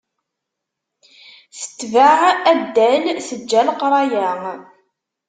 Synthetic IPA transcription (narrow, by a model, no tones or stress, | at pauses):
θə̥t̪ːvaʕæd̪ːælsəd͡ʒːælqɾˤɑjæ